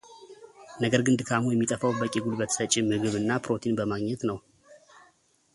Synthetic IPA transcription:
nəɡəɾɡɨnd̪ɨkʰamujɛmːit̪ʼəfawbəkʲʼːiɡulbət̪ʰsət͡ʃʼːɪmɨɡɨβɨnːapɾo̞t̪ʰinbəmaɡɲɛt̪nəw

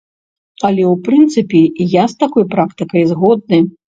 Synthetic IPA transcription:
ɐlʲɛwpɾɨnt̪sɨpʲijast̪akɔjpɾakt̪ɨkɐjzɣɔd̪̚nɨj

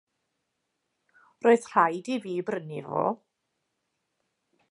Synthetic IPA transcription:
roːɨðr̥ajdiviːbrənivo̰ː

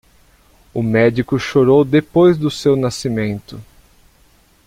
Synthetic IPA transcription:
ʊmɛd͡ʒikʊʃoɾowd̪epojzd̪ʊsewnasimẽnt̪ʊ

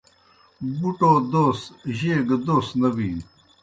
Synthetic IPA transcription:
buʈoːd̪oːst̪ʑeːɡd̪oːst̪nɐwiː

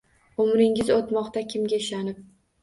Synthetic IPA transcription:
ʊmɾɪŋɪzot̪mɒqt̪akʲʰɪmɡʲaɪʃanɪp̚

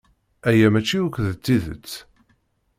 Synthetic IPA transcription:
æjæmæt͡ʃːiukʷðət͡sːiðə̰t͡sː

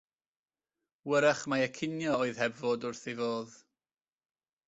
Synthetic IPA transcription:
wəɾɛχmaɛkʰɪnjɔoːɨð̥hɛbvodʊrθivoːð

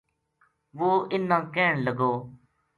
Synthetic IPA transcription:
ʋoːʔɪnːãːkɛːɳləɡoː

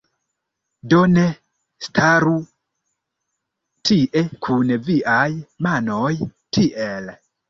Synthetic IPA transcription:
done̞ | stʰaɾu | tʰiʔe̞kʰunviʔajmano̞jtʰiʔe̞l

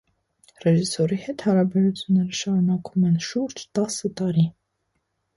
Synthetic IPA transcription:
rɛʒisɔɾihɛt̪hɑɾɑbɛɾut͡sʰjunːɛɾəʃɑɾunɑkʰumɛnʃuɾd͡ʒt̪ɑsət̪ɑɾi

